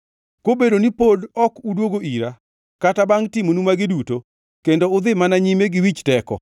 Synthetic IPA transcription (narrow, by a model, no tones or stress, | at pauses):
kobedonipodɔkudwoɡoʔiɾa | katabaŋtɪmonumaɡɪduto | kendoʊd̪ɪmanaɲimeɡɪwit͡ʃtɛkɔ̰